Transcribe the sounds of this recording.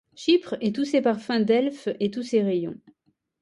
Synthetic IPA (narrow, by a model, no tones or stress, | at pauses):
ʃipχet̪usepaʁfɛ̃d̪ɛlfet̪useʁejɔ̰̃